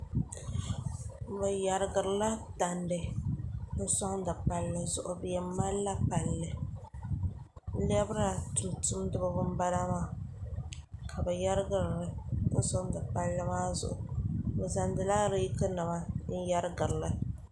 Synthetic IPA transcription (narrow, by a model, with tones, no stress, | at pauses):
bɛ˨ja˨ɾɨ˨ɡɨ˨ɾɨ˨la˦ta˨ndɨ˨˦ | n̩˦sɔ˦ŋ˦dɨ˨k͡pa˨lːɨ˨zʊ˨ʔʊ˨bjɛ˨mː˦a˦lːa˦pa˨lːɨ˨˦ | lɛ˦bɾa˨tʊ˨ntʊ˦mdɨ˦bɨ˦bʊ˦m˦ba˦ɾa˦maː˨ | kʰa˨bɛ˨ja˦ɾɨ˦ɡɨ˨ɾɾɨ˦n̩˦sɔ˦ŋ˦dɨ˨k͡pa˦lːɨ˦maː˦zʊ̰˨ʔʊ˨bɛ˨za˨ndɨ˨laː˦ɾi˦kɨ˦nɨ˨ma˦n̩˦ja˦ɾɨ˦ɡɨ˨ɾɨ˨lɨ˦